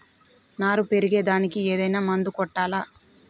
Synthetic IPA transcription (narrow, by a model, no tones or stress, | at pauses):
naːɾupe̞ɾiɡeːd̪aːnikieːd̪ɐjnaːmɐnd̪ukɔʈːaːlaː